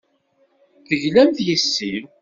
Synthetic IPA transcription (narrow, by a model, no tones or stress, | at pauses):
θəʝlæmθjəsːiv